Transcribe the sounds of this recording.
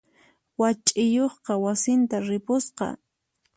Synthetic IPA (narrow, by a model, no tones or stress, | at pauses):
wat͡ʃʼɪjoχqɑwasɪnt̪aɾɪpʊsqɑ̰